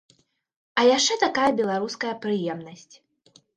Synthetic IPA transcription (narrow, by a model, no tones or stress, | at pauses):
ɐjaʂt͡ʂɛt̪akajɐbʲɛlˠaɾuskɐjɐpɾɨjɛmnɐsʲt͡sʲ